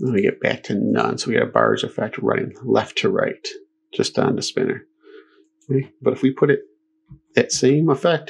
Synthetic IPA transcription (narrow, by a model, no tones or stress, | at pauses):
ə̃wiɡɛt̚b̥æ̰k̚tʰɨnʌ̃nsoʊwiɡɨ̰ɾɨbɑ̰ɹzɨfɛk̚t̚ɹã̰ɪɪ̃ŋlɛftʰɨɹa̰ɪt | d̥ʒ̥ʌstn̩ðɨspɪ̰̃nə̰˞ | weɪb̥ʌɾɨfwipʰʊɾɨt̪̚ | ðɨtsẽɪ̃məfɛk̚t